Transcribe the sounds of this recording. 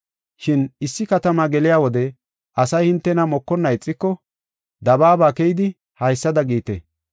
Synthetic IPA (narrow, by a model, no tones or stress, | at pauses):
ʃɪnɪsːɪkɐt̪ɐmaɡɛlɪjaːwɔd̪ɛ | ʔɐsɐjhɪnt̪ːɛnɐmɔkːɔnːɐjt͡sʼːɪkːɔ | d̪ɐbaːbaːkɛjɪd̪ɪ | hɐjsːɐd̪ɐɡiːt̪ḛ